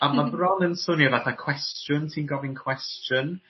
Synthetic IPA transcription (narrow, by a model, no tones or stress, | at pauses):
amabrɔnənsʊnivaθakʰw̥ɛstjʊntʰinɡɔvɪnkʰw̥ɛstjʊn